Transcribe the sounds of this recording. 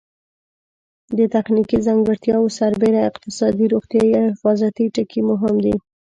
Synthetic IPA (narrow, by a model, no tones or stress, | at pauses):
d̪ət̪axnikizaŋɡəɽt̪jɑwosaɾbeɾaɪqt̪ɪsɑd̪iɾoɣt̪jɑiahɪfɑzat̪iʈəkʰimʊɦɪmd̪i